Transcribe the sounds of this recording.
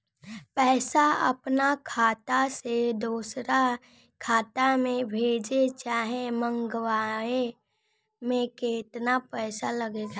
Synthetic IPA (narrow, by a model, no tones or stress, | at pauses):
pɛːsaə̰pnakʰaːt̪ased̪uːsɾa | kʰaːt̪amẽbʱeːd͡ʒet͡ʃaːɦemə̃ŋɡwaːe | mẽkeːt̪napɛːsaləɡeɡa